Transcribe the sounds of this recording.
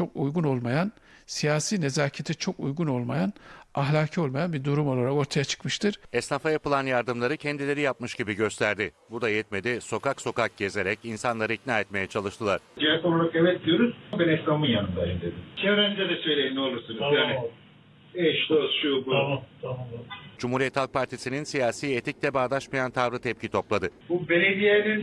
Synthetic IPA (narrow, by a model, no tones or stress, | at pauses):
t͡ʃʰo̞kujɡuno̞lˠmajan | sijaːsiːne̞zaːcʰet̪ʰit͡ʃʰo̞kṵjɡuno̞lˠmajanaɦlʲaːcʰio̞lˠmajanbiɾd̪uɾumo̞lˠaɾako̞ɾt̪ʰajat͡ʃʰɯ̥kmɯʃt̪ʰɯɾ̥ɛsnafajapɯlˠanjaɾd̪ɯmlˠaɾɯcʰɛnd̪ilʲe̞ɾijapmɯʃɟibiɟø̞st̪ʰæɾd̪ɪbud̪ajɛt̪me̞d̪iso̞kakso̞kak̚ɟe̞ze̞ɾɛcinsanlˠaɾɯicnaːɛt̪me̞jɛt͡ʃʰalˠɯʃt̪ʰɯlˠaɾ̥d͡ʒijaɾk̪onˠaɾakevɛt̪̚d̪ijoɾuzbinɛsnamɯjanɯnd̪aind̪ed̪ɪt͡ʃʰevɾɛnid̪ɛd̪ɛsø̞jlʲejinʲio̞lˠuɾsunuzjaːnɪ | ɛʃd̪osʃubu | d͡ʒumhuɾijɛt̪ʰːalˠk̚pʰaɾt̪ʰisininsijaːsiːet̪ʰic̚lʲɛbaːd̪aʃmajant̪ʰavɾɯt̪ʰɛp̚cʰit̪ʰo̞plˠad̪ɯbubeled̪ijenin